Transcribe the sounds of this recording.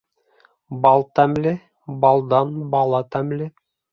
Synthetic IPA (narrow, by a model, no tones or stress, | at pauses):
bɑlˠt̪æmlɘ | bɑlˠd̪ɑnbɑlˠɑt̪æmlɘ